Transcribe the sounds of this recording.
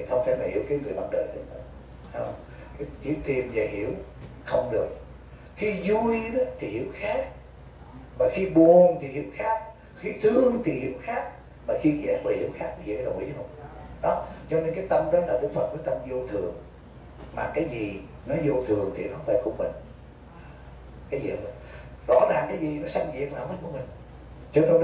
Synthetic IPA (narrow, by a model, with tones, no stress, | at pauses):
i˨˩t̪ʰə˧wŋ͡mfaː˧˦laː˨˩hḭ˧˩əwkaː˨˦jŋɨ˨˩əjɓa̰ː˧˦nɗəː˨˩jt̪ɨ̰˧˦ə˨˦ | ha˦˧wŋ͡m | kt͡ɕi˧˦t̪i˨˩mzaː˨˩hḭ˧˩əw | xə˧wŋ͡mɗɨ˨˩ək̚ | xi˧zu˧jɗt̪ʰi˨˩hi˧˨˦əwxaː˦˥k̚ | maː˨˩xi˧ɓu˨˩ənt̪ʰi˨˩hḭ˧˦əwxaː˦˥k̚ | xi˧t̪ɨ˧əŋt̪ʰi˨˩hḭ˧˨˩əwxaː˦˥k̚ | maː˨˩xi˧ɣɛ̰˨˧˩vəː˨˩hi˧˩˦əwxaː˦˥k̚nɔ˨˦zi˨˩kaː˨˦ɗə˨˩wʔḭ˨˦hə˧wŋ͡mɗɔ˨˦t͡ɕɔ˧ne˧nkaː˨˦jt̪ə˧mɗɔ˨˦laː˨˩ɗɨ˨˦fə˨˩t̚kɔː˨˦t̪ə˧mzo˧t̪ʰɨ˨˩əŋ | ma̰ː˨˩kaː˨˦jzi˨˩nɔ˨˦zo˧t̪ʰɨ˨˩əŋt̪ʰḭ˨˩na˨˦faː˧˩jkṵ˧˩əmï˨˩ŋ̟ | kaː˨˦jzḭ˨˩˨m˨˩n | zɔ̰˧˨˥zaː˨˩ŋkaː˨˦jzi˨˩nɔ˨˦sa˧ŋzḭ˧˨ək̚maː˨˧wmi˨˦nku˧˩əmï˨˩ŋ̟ | t͡ɕɔ˧ne˧